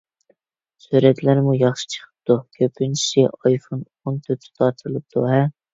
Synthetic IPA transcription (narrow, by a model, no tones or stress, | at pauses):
syɾɛt̪læɾmujɑχʃi̥t͡ʃʰə̥qʰə̥p̚t̪ukʲʰøpʰːynt͡ʃʰi̥sɪʔɑjfon | ont̪ʰøt̪ʰt̪ʰɑt̪ʰɨlˠɨp̚t̪ʰuɦɛ